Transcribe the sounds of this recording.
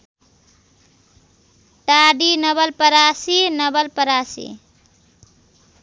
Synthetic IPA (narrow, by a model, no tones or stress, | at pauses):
ʈaɖinʌbəlpəɾasinʌbəlpəɾasḭ